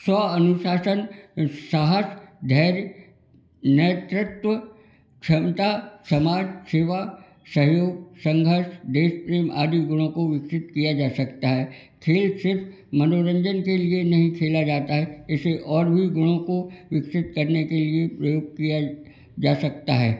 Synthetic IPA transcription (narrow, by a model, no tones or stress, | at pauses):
sɔːɐnʊʃaːsənsaɦəsd̪ʱɛːɾ | neːt̪ɾɪt̪ʋə | kʃʰɐmt̪asɐmaːd͡ʒseːʋa | sɐɦjoːɡ̚sɐ̃ŋɡʱəɾʃd̪eːspɾeːma̰ːd̪iɡʊɽ̃õkoʋɪksɪt̪kijad͡ʒaːsɐkt̪aɦɛː | kʰeːlsɪɾf | mɐnoːɾə̃ɲd͡ʒənkelienɐɦĩkʰeːlad͡ʒaːt̪aɦɛɪseʔɔːɾbʱiɡʊɽ̃õkoʋɪksɪt̪kɐɾnekeliepɾəjoːɡ̚kija | d͡ʒaːsɐk̚t̪aɦɛ̰ː